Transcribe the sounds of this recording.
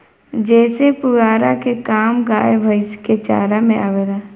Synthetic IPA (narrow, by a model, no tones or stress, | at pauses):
d͡ʒɛːsepʊɡaːɾakekaːmɡaːjbʱəɪsket͡ʃa̰ːɾamẽaːʋeɾaː